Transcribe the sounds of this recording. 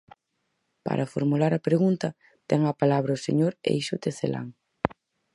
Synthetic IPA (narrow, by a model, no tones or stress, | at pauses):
pa̰ɾʔɐfoɾmulaɾɐpɾeɣunt̪ɐ | t̪ɛŋɐpalaβɾɐʊsḛɲoɾḛjʃʊt̪eθela̰ŋ